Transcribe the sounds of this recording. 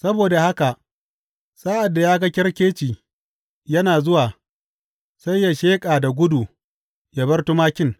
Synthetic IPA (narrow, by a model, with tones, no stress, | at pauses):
sɐ˦boː˨da˨ha˦ka˨ʔ | saː˦ʔa˨dːa˨jaː˦ɡɐ˦kʲɪ˦ɽkʲeː˦t͡ʃiː˨ | jɐ˦naː˨zʊ˦waː˨ | sa˦jːa˨ʃeː˦kʼaː˨da˨ɡʷʊ˦du˨ | ja˦bɐ˦rtu˦maː˦kʲɪ˦ŋ